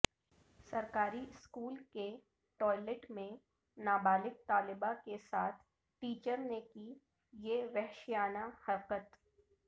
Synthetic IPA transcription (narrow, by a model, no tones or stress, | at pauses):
sɐɾkaːɾiskuːlke | ʈɔːɪleʈmẽ | naːbaːlɪk̚t̪aːlɪbakesaːt̪ʰ | ʈiːt͡ʃəɾneki | jeʋɛɦʃijaːnahɐɾqət̪